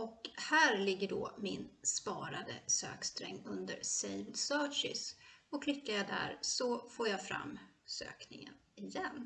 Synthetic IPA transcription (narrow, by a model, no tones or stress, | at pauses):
ɔkhæːɾlɪɡːəɖɔːmɪnspɑːɾad̪ə̰sø̰ːkst̪ɾɛŋːɵnd̪əɾsejvd̪sœːʂɪsɔkʰlɪkːajad̪æ̰ɾsɔfoːɾjaɡfɾa̰mːsø̰ːknɪŋə̰n | ɪjɛnː